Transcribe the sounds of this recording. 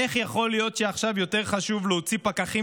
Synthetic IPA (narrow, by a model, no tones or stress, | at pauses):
eχjaχo̞lijo̞tʃeaχʃavjo̞te̞ʁχaʃuvleot͡sipakaχi